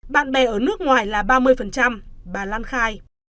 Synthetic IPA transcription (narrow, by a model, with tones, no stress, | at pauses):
ɓa̰ː˧˨nɓɛ˨˩ʔəː˧˩nɨ˦˥ək̚ŋwaː˨˩jlaː˨˩ɓaː˧mɨ˧əjfə˨˩nt͡ɕa˧mɓaː˨˩laː˧nxaː˧j